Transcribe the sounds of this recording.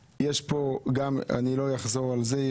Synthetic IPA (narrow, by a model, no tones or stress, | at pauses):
jeʃpoɡama̰nilojaχzoʁalze